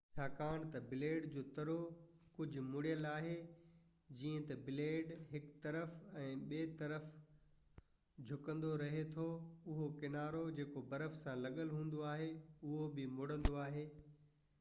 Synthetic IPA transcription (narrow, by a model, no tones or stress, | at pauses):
jaːkaːɽ̃t̪ɐbɪleːɖd͡ʑoːt̪ɐɾo | kʊd͡ʑʱʊ̆mʊɽijəlaːɦe | d͡ʑĩːə̃t̪ɐbɪleːɖɦɪkt̪ɐɾəfɛ̃ːɓeːt̪ɐɾəf | d͡ʑʱʊkə̃nd̪oɾɐɦet̪ʰoʊɦokɪnaːɾod͡ʑeːkobɐɾəfsãlɐɠəlɦũːn̆d̪oaːɦeʊɦobɪmʊɽə̃nd̪oaːɦeː